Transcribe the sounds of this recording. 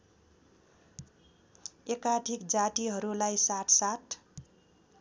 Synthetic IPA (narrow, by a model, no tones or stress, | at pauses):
ekaʈikd͡zaʈiɦʌɾulajsaʈʰsaʈʰ